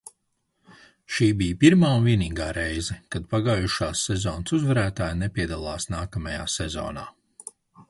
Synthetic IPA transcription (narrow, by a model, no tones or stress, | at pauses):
ʃiːbijpiɾmaːunviɛniːɡaːɾejzɛkad̪̚paɡaːjuʃaːsːɛzɔːnsuzvɛɾæːt̪aːjnepʲiɛd̪alˠaːsnaːkamaja̰ːsɛzo̰ːna̰ː